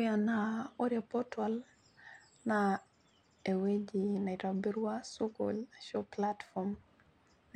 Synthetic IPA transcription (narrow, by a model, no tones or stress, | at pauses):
janaɔɾiapɔtwal | na | ɛwed͡ʒinaitabiɾuasukɔ̰lʃɔplatfɔm